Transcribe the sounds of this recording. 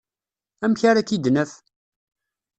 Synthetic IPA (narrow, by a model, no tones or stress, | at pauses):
æmçaɾakid̪nəf